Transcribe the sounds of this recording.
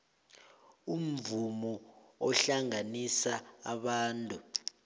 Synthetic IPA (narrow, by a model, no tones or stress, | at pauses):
um̩vumɔɔɬaŋanisaːɓaːntʼu